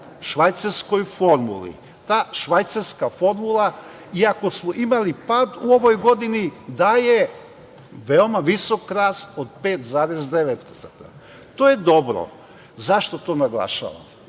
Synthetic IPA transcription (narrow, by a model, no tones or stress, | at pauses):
ʃʋajt̪saɾsko̞jfo̞ɾmṵlḭ | t̪aːʃʋajt̪saɾskafo̞ɾmulˠa | iako̞smoʔimalipaːd̪uo̞ʋo̞jɡo̞d̪inid̪aje | ʋeomaʋiso̞kɾaːst̪od̪̚peːt̪zaːɾezd̪eʋet̪̚p̪sat̪a | t̪oːje̞d̪o̞bɾo̰ | zaʃt̪o̞t̪o̞ːnaɡlˠa̰ʃa̰ːʋa̰m